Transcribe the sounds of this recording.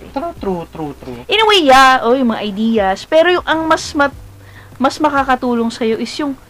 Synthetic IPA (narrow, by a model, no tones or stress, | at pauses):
t̪ɾut̪ɾut̪ɾut̪ɾuʔɪnɐwɛjaʔojʊŋmɐŋaʔɐjd̪iːjɐspɛːɾo̞jʊŋʔɐŋmɐsmɐ | mɐsmɐkaːkɐt̪uːlo̞ŋsɐjo̞ʔɪsjʊŋ